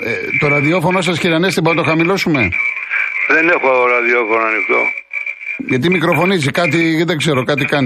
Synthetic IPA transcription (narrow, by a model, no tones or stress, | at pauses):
et̪o̞ɾɐðio̞fo̞noos̬ɐsçiɾɐnest̪ibonɐt̪o̞xɐmilo̞sume̞ | ðenexuoɾɐðiofonoɐnixt̪o̞̰ | ʝɐt̪imikɾo̞fo̞nizikɐt̪̬iðeɡze̞ɾo̞kɐt̪̬ikɐni